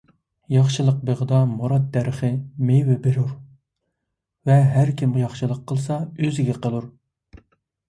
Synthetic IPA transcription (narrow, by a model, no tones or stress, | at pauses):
jɑχʃɨlˠəq̚beʁəd̪ɑmuɾɑd̪̚d̪æɾəχɨmewɪbeɾuɾ | vɛɦæɾkʲʰimjɑχʃɨlˠəqʰːəlˠsɑøzɪɡʲɛqʰəlˠuɾ